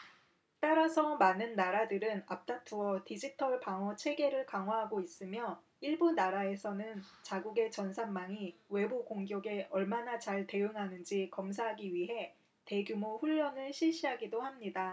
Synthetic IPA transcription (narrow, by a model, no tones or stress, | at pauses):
t͈aɾasʰʌmanɯnːaɾadɯɾɯnap̚t͈atʰuʌtid͡ʑitʰʌɭpaŋʌt͡ɕʰe̞ɡe̞ɾɯɭkaŋɦwaɦaɡois͈ɯmjʌ | iɭbunaɾae̞sʰʌnɯnt͡ɕaɡuɡe̞t͡ɕʌnsʰamːaŋiwe̞bukoŋɡjʌɡe̞ʌɭmanat͡ɕaɭte̞ɯŋɦanɯnd͡ʑikʌms̬ʰaɦaɡiɥiɦe̞ | te̞ɡjumoɸuʎːʌnɯɭɕʰiɭɕ͈iɦaɡidohamɲida